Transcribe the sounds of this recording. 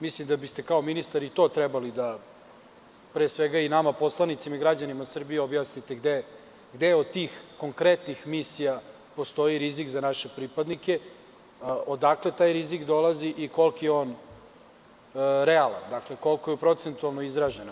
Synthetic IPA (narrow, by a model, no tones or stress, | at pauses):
mislimd̪abist̪ekao̞minist̪aɾit̪o̞ːt̪ɾɛbalid̪a | pɾesʋeɡainamapo̞slˠanit̪simaiɡɾad͡ʑanimasr̩bijeobjaːsnit̪e̞ɡd̪e | ɡd̪eod̪̚t̪iːxko̞ŋkɾet̪nixmisija | po̞st̪o̞jiɾizikzanaʃe̞pɾipad̪nike̞ | od̪aklet̪aːjɾizikd̪o̞laziʔiko̞lˠkijeoːn | ɾealˠa̰nd̪akle̞ko̞lˠko̞jɛpɾo̞t̪se̞nt̪ualˠno̞izɾaʒen